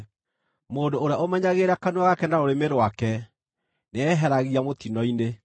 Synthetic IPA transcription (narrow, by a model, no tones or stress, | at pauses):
moːndoːɾeaomɛɲaɣeɾakanwaɣakɛndaoɾemeɾwakɛ | neɛɦɛɾaɣiamot̪inɔine